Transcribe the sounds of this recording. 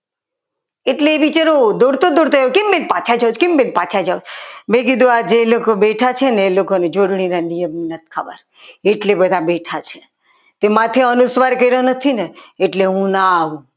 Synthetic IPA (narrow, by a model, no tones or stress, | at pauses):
eʈleːbit͡ʃaɾod̪oɾt̪od̪oɾt̪oakembenpat͡ʃʰad͡ʒawt͡ʃkembenpat͡ʃʰad͡ʒawd͡ʒmẽk̬id̪ʱuad͡ʒelokobeʈʰat͡ʃʰeneːlokoned͡ʒoɽɳ̃inanijəmnət̪̚kʰa̰ba̰ɾ | eʈlebəd̪ʱabeʈʰat͡ʃʰe̥ | t̪emat̪ʰeənusʋaɾkəjɾonət̪ʰineːʈleɦũnaːʋũ